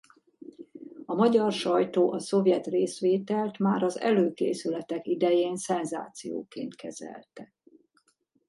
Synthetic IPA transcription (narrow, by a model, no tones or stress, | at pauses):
ɒmɒɟɒrʃɒjt̪oːʔɒso̞vjɛt̪reːsʋeːt̪ɛlt̪maːɾɒzɛ̰løːkḛːsylɛt̪ɛkid̪ɛjeːnsɛnza̰ːt̪sijo̰ːkḛːnt̪kʰɛzɛ̰lt̪ɛ